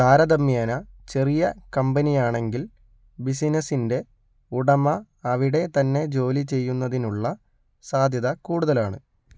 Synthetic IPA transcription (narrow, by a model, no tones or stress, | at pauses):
d̪aːɾɐd̪ɐmːjaːnɐt͡ɕe̞rijɐkɐmbɐnijaːɳe̞ŋɡil | bis̬inɐsinde̞ | uɽɐmɐː | ʋiɽe̞t̪ɐnːe̞d͡ʑo̞ːlit͡ɕe̞jːunːɐðinuɭːɐ | saːd̪ʱjɐðɐkuːɽuðɐlaːɳɨ